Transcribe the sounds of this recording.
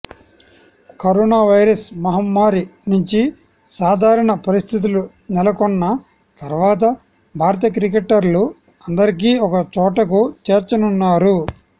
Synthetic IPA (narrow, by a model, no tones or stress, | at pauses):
kɐɾɔːnaːʋɐjɾɐsmɐɦɐmːaːɾinuɲt͡ʃi | saːd̪ʱaːɾɐɳɐpɐɾist̪ʰit̪̬ulu | nɛlɐkɔnːɐ | t̪ɐɾʋaːt̪ɐ | bʱaːɾɐt̪ɐk̬ɾik̬eʈːɐɾlu | ɐnd̪ɐɾikiːɔkɐt͡ʃɔːʈɐkut͡ʃe̞ːɾt͡ʃɐnunːaːɾu